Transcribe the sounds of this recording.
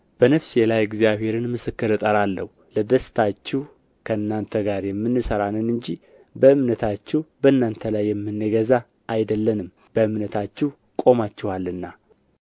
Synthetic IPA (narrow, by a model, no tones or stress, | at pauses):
b̥ənəfselajɛɡzijaβhe̞ɾɨnmɨsɨkːɨɾɨt̪ʼəɾalːəhu | ləd̪əst̪ʰat͡ʃːɪh | kʰəɨnːant̪ʰəɡaɾjɛmːɨnːɨsəɾanɨnɨɲd͡ʒi | bəɨmnət̪ʰat͡ʃːɛhbəɨnːant̪ʰəlajːɛmːɨnːɨɡəza | ʔajd̪əlːənɨm | b̥əɨmnət̪ʰat͡ʃːɪh | kʼo̞mat͡ʃːɪhalːɨnːa